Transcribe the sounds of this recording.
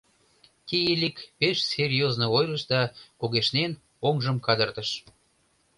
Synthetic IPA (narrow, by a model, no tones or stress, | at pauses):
t̪ijelʲikpeʃsʲerʲjoznoojrəʃd̪ɑkoɣeʃnen | oŋʒəmkɑd̪ərt̪əʃ